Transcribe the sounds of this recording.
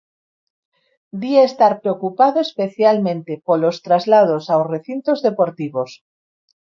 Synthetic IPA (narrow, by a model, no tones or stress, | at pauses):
d̪iaest̪aɾpɾeokupaðoespeθjalmẽnt̪epolost̪ɾazlað̞osawsreθint̪ozðepoɾt̪iβ̞os